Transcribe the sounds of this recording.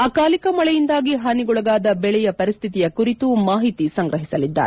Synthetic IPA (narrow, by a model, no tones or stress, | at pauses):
ɐkaːlikɐmɐɭɛjind̪aːɡiɦɐniɡɔɭɐɡaːd̪ɐbɛɭɛjɐpɐɾist̪ʰit̪ijɐkuɾit̪umaːɦit̪isɐŋɡɾɐɦisɐlid̪ːa̰ːɾ